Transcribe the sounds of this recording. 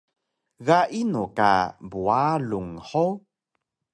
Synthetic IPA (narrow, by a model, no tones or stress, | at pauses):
ɣaʔinuka̰bualuŋħo